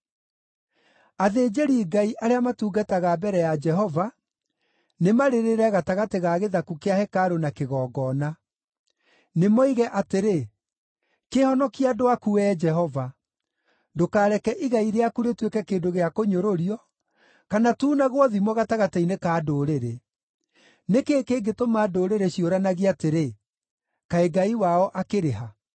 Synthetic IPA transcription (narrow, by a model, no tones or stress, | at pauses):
aðeːd͡ʒeɾiːɡaiʔaɾeamatuːɡataɣabɛɾɛjad͡ʒɛɦɔva | nemaɾeɾeɾɛɣataɣateɣaɣeðakukeahɛkaɾonakeɣɔːɡɔːna | nemɔiɣɛʔateɾe | kehɔnɔkiadoakuɛːd͡ʒɛɦɔva | dokaːɾɛkɛʔiɣaiɾeakuɾetwekɛkeːndoɣeakoɲoɾoɾiɔ | kanatuːnaɣwɔðimwɔɣataɣatɛinekaːdoːɾeɾe | nekeːkeːɡetomaːdoːɾeɾeɕioɾanaɣiateɾe | kaeɡaiwaɔʔakeɾeɦa